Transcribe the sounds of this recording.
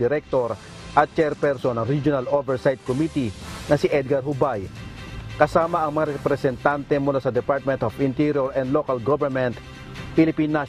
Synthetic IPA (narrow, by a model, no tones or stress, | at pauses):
ɪɾɛk̚t̪oɾ | ʔɐt̪̚t͡ʃɛɾpɛɾsonɐŋɾid͡ʒjonalovɛɹsajt̪̚komit̪inɐsɪʔɛd̪̚ɡaɾɦʊbaj | kɐsaːmɐɐŋmɐŋaɾɛpɾɛsɛnt̪ant̪ɛmʊlasɐd̪ɛpaɾt̪̚mɛ̃nt̪ovɪ̃nt̪iɾjoɾɛnd̪lokɐlɡovɛɾmɛnt̪ | filɪpinːa